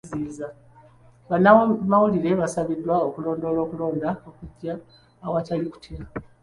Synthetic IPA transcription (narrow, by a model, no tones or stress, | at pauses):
ziːza | βanːamawuliɾe̞βasaβidwaokulo̞ːndo̞ːlo̞ːkulo̞ːndaokuɟːaː | wataliku̥tʰia